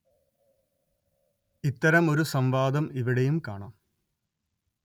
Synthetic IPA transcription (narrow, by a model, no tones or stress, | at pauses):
it̪ːɐɾɐmo̞ɾusɐmʋaːd̪ɐmiʋiɽejumkaːɳaːm